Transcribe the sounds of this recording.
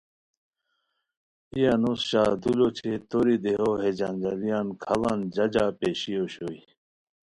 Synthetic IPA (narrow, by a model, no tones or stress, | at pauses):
ijanosɕaːd̪ulot͡ɕʰet̪oɾid̪eɦoɦed͡ʑand͡ʑɐlijankʰɐland͡ʑɐd͡ʑaːpeɕijoɕoi